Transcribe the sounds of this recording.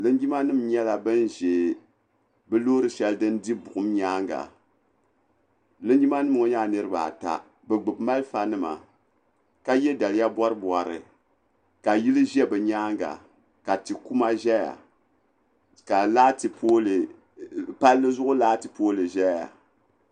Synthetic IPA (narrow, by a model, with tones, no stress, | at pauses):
lɨ˦n˦ɡi˦ma˦nɨ˦˨mɲɛ˦la˨bɨ˦nʒe˨ | bɨ˦loː˦ɾɨ˨ʃɛ˦ldɨ˦n˦di˦bʊ˨ʔʊ˦m˦ɲaː˦ŋɡa̰˨ | lɨ˦nɡi˦ma˦nɨ˦m˨o˦ɲa˦˨nɨ˦ɾɨ˦ba̰˨ta̰˨ | bɨ˨ɡ͡bɨ˨bma˦lfa˨nɨ˦ma̰˨ | ka˦jɛ˦da˨lja˦bɔ˦ɾɨ˦bwa˨ɾɨ̰˨ | ka˨ji˦lɨ˦ʒɛ˦bɨ˨ɲaː˦ŋɡa̰˨ | ka˨tɨ˨ku˦ma˦ʒɛ˦ja̰˨ | ka˨laː˦tɨ˨poː˦lɨ˨ | pa˦lːɨ˦zʊ˦ʔʊ˦laː˦tɨ˨poː˦lɨ˨ʒɛ˦ja̰˨